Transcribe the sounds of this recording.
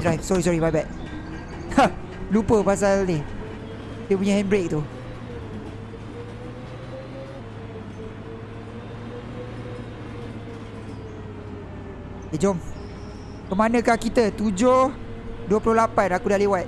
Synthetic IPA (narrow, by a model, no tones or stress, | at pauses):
dɾajfsɔɾis̬ɔɾibajbaʔ̚ | a | lupəpas̬alɪ | diəp̬uɲahɛnbɾek̚t̪u | ed͡ʒɔm | kəmanə̃kahkit̪ət̪ud͡ʒoh | duəpulʊlapanakudalewat̪̚